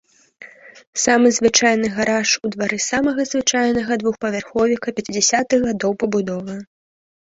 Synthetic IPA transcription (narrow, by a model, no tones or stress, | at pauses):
samɨzvɨt͡ʂajn̪ɨɣaɾaʂud̪vaɾɨsamɐɣɐzvɨt͡ʂajnɐɣɐd̪vuxpɐvʲarxɔvʲikɐpʲɛt͡sʲid͡zʲɛsʲat̪ɨɣɣad̪ɔwpɐbud̪ɔvɨ